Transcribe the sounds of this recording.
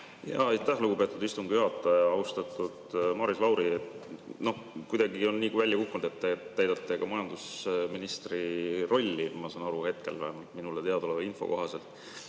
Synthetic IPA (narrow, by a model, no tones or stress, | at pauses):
jɑ̰ɑjt̪ːˑæhluɡ̥upe̞t̪ːˑud̪ist̪umɡ̥ɑyɦɑt̪ːˑɑɑɑwst̪ɑt̪ːˑud̪̥mɑːɾislɑwɾiet̪no̞hkujd̪ɑɡio̞nːiːkvælʲjɑkukːunud̪̥e̞t̪ːet̪ːæjd̪̥ɑt̪ːˑe̞kɑmɑjɑnd̪̥usminist̪riro̞lʲːimɑsɑːnɑɾuhe̞t̪̚ke̞lvæ̰hemɑlt̪minulet̪e̞ɑd̪olevinfo̰ko̞ɦɑse̞lt̪ˑ